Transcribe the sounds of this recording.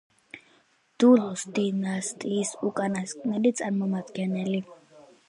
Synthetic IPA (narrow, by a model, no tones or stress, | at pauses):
d̥̪ulɔst̪inast̪ʼisukʼanasnadit͡sʼanmɔmat̪ɡanɛli